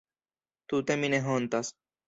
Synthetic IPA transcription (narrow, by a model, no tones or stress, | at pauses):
t̪ut̪emineɦont̪as